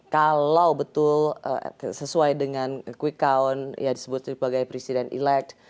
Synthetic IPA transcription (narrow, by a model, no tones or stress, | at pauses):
kalawbət̪ʊlə̰səsuajdəŋankwikaɔnjadisəbʊt̪̚dibaɡajpɾesidɛnḭlɛk̚t̪̚